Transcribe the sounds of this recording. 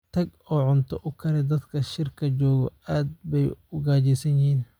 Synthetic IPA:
t̪ʰɐɡɔːʕʊnt̪ʰɔʔʊkʰɐɾɛd̪ɐd̪kʰɐʃɪrkʰɐt͡ʃɔːɣɔ̰aːd̪̚bɛjʊɡaːt͡ʃɛsɐnjɪhiːn

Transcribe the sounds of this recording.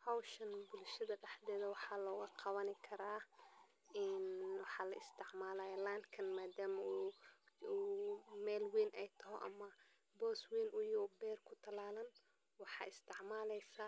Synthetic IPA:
hɐwʃɐnbʊlʃɐðɐɖɛħd̪ɛːðɐwɑħɑːlɔːɣɐqɑβɐnɪkʰɐɾaː | ɛnwɑħɑːlɐ̰ɪst̪ʰɪʕmaːlaːjɐland̪kʰɐnmaːd̪aːmɐu | umɛːlwiːnʔɛjt̪ʰɐɦɔʔɐ̰mɐ | bɔːswiːnʔʊjɔbɛːrkʰʊt̪ʰɐlaːlɐn | wɑħɑ̰ːɪst̪ʰɪʕmaːlɛjsɐ

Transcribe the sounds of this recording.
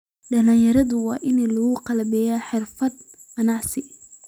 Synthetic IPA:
ɖɐlaːjɐɾɐðʊwɑːʔɪnlɐɣʊqɑlɐbɛːjaːħɪrfɐd̪ | qɐnɑʕsɪ

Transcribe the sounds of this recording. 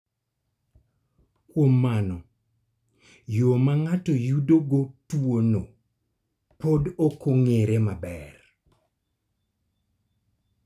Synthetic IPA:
kwomːanɔ | jomaŋatɔjudoɡotwono | podokoŋeɾemabɛr

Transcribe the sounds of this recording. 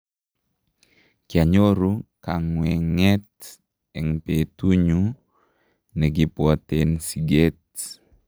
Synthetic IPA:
kiaɲoɾukaŋwɛŋɛt̪̚ | ɛŋpet̪uɲu | nəɡipot̪ɛnsiɡɛt̪̚

